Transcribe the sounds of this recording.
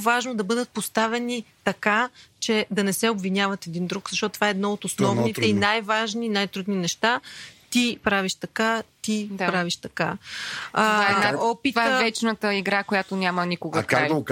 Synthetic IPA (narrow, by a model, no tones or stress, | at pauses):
vaʒnod̪ɐbɤd̪ət̪̚post̪avɛnit̪ɐkat͡ʃɛd̪ɐnɛsɛobvinʲjavət̪ɛd̪ind̪ɾukzɐʃt̪ɔt̪t̪vaɛːd̪nɔot̪osnɔvnit̪ɛinajvaʒninajt̪ɾud̪ninɛʃt̪at̪ipɾaviʃt̪ɐkat̪ipɾaviʃt̪ɐka | aɛaɔpit̪vavɛt͡ʃnət̪əiɡɾakojat̪onʲamənikʊɡəkaɐk